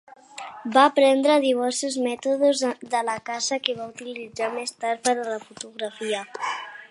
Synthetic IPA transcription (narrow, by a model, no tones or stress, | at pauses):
baːpɾɛnd̪ɾəðiβ̞ɛɾsuzmɛt̪uðuzðələkazəkeβaut̪ilid͡zamest̪aɾpəɾðələfut̪uɣɾafiə